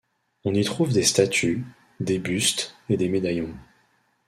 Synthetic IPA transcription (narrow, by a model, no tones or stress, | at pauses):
ɔ̃nit̪χuvd̪est̪at̪ʰy | d̪ebyst̪ed̪emed̪ajɔ̃